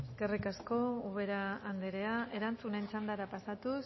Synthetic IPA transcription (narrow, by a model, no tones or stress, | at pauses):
eske̞rikasko̞uβ̞e̞ɾaːnd̪eɾe̞ae̞ɾant͡sunent͡sand̪aɾapasat̪us